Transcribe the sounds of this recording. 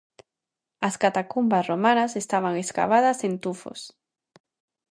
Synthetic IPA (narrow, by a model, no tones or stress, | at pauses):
askat̪akumbasromanasest̪aβ̞aŋeska̰βaðɐsent̪ufo̰s